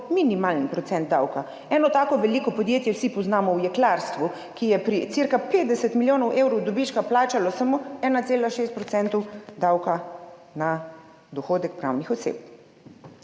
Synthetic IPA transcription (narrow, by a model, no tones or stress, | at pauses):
minimalnpɾɔt̪sɛnd̪̚d̪awka | ɛːnɔt̪aːkɔʋɛlikɔpɔd̪jeːt̪jɛwsipɔznaːmɔwjɛklaɾst̪ʋu | kijɛpɾisiɾkapeːt̪̚d̪ɛsɛt̪miljoːnɔwʔewɾɔwd̪ɔbit͡ʃkaplaːt͡ʃalɔsamoɛːnat̪seːlaʃeːst̪pɾɔt̪sɛnt̪ɔwd̪awkana | d̪ɔxoːd̪ɛkpɾa̰ːwnixɔsḛp̚